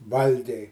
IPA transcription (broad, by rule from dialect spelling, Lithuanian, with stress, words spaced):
ˈʋɐlʲɡʲɛɪ